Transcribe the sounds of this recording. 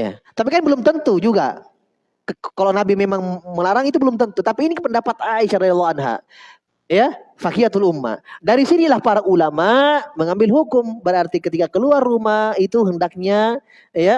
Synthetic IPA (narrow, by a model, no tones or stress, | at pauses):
ja̰t̪ap̬ikanbəlʊmt̪ənt̪ud͡ʒuɡa̰ | kalawnabimemaŋməlaɾaŋit̪̬ubəlʊmt̪ənt̪ut̪apiːnikəpəndapat̪aiʃaɾɑd̪jlˠːɑɦanɦa̰ | jafakiat̪ulumːa̰daɾisinilahpaɾaʔulamaməŋambɪlɦukʊmbəɾart̪ikət̪ikakəluarːumahit̪uɦəndak̚ɲa | ja